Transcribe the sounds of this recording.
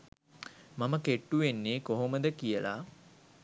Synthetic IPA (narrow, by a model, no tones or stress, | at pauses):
maməkeʈːuʋenːeːkoɦoməd̪əkijəla̰